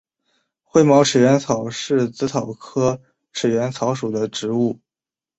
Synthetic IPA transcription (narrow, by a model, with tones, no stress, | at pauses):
xwe˥˩ɪmɑ˧˥ʊʈ͡ʂʰɻ̩˨˩ɥɛ˧˥nt͡sʰɑ˨˩ʊʂɻ̩˥˩t͡sɹ̩˧˥t̪ʰɑ˨˩ʊkʰɤ˥ | ʈ͡ʂʰɻ̩˨˩ɥɛ˧˥nt͡sʰɑ˧˥ʊʂu˨˩d̪ə˦ʈ͡ʂɻ̩˧˥u˥˩